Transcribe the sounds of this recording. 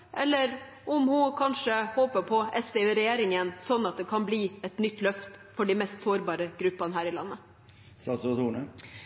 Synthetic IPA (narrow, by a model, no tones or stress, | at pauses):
ʔɛlːəɾ | ʔʊmhʊkʰɑnʂəhoːpəpʰɔɛsʋɛʉːɾɛjeːɾɪŋənsɔnːɑt̪̚d̪ɛkʰɑnbliːɛt̪nʏt̪ːlœft̪fɔɖimɛst̪soːɾbɑːɾəɡ̥ɾʉpːɑnəɦæːɾɪlɑ̰nːə | sɑst̪uːɳə